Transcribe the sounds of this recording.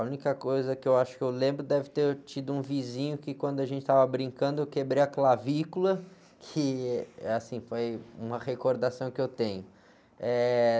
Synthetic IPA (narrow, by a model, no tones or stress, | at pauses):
aũnikɐkojzɐkɪewaʃʊ̥kɪewlẽmbɾʊd̪ɛvɪt̪eɾt͡ʃid̪ʊũvizĩɲʊkɪkwɐ̃nd̪ʊaʒẽnt͡ʃɪ̥t̪avɐbɾĩŋkɐ̃nd̪ʊewkebɾejɐklavikulɐ | kʰɪasĩfojũmɐhekoɾd̪asɐ̃w̃kɪewt̪ẽɲʊ | ɛ